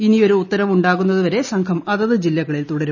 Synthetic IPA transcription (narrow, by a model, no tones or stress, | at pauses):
inijo̞ɾuːt̪ːɐɾɐmuɳɖaːɣun̪ːɐðɨʋɐɾe̞sɐŋkʰɐmɐðɐðɨd͡ʑilːɐɣɐɭilt̪uɽɐɾu